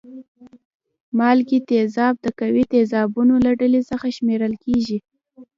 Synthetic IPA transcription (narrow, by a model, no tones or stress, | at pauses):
mɑlkit̪ezɑb̚d̪əkawit̪ezɑbunolaɖəlesəxaʃmeɾəlkeʒi